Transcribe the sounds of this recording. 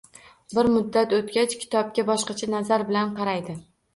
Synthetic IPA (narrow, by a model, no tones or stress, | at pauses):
bɪɾmʊd̪ːat̪ot̪kʲat͡ʃkʲʰɪ̥t̪ʰɒb̚kʲabɒʃqɑt͡ʃʰanazaɾbɪlanqʰɑɾajd̪ɪ